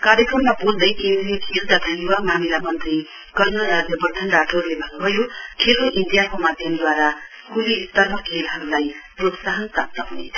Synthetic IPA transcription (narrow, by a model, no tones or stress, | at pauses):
kaɾjʌkrʌmːabold̪ʌjkemdinikʰelt̪ʌpaĩjuwamamilamʌnt̪ri | ɡ̥ʌrnʌɾad͡zjʌbʌrd̪ʱʌnɖaʈʰoɦɾulebʱʌnːubʱʌjokʰelkoʔindijakomad̪ʱjʌmd̪waɾa | kulist̪ʌrmʌkʰelɦʌɾulajprot̪saɦʌnpap̚t̪ʌɦunḛt̪ʰʌ̥